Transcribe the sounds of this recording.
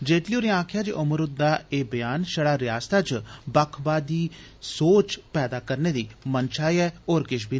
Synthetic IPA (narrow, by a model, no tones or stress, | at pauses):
d͡ʒeːʈlioːɾiãːkʰjaːd͡ʒiːʔʊməɾʊt̪̚d̪aːeːbəjaːnʃəɽaːɾɪjaːst̪at͡ʃbəkʰbaːd̪iː | soːt͡ʃpɛːd̪aːkəɾneːd̪iːmənt͡ʃaːiɛːoːɾkɪʃ̬biː